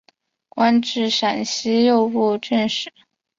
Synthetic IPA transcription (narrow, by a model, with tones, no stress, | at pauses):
kwa˥nʈ͡ʂɻ̩˥˩ʂa˨˩nɕi˥jo˥˧ʊpu˥˧ʈ͡ʂə˥˧nʂɻ̩˥˩˦